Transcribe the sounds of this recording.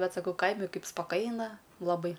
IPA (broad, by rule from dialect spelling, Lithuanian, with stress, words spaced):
ˈbʲɛt sɐˈkɐʊ ˈkɐɪmʲɪ ˈkɐɪp spɐˈkɐɪnɐ lˠɐˈbɐɪ